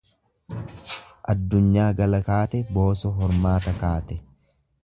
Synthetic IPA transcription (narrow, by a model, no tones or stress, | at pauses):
ʔɐd̪ːʊɲːaːɡɐlɐkaːt̪ɛbo̞ːsɔɦɔɾmaːt̪ɐkaːt̪ɛ